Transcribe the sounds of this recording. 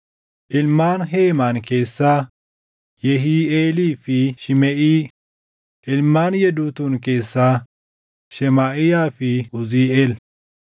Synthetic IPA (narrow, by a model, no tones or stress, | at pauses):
ʔɪlmaːnɦeːmaːnke̞ːsːaː | jɛɦiːeːliːfɪʃɪmɛʔiː | ʔɪlmaːnjɛd̪uːt̪unke̞ːsːaː | ʃɛmaːʔɪjaːfɪʔʊziːeːl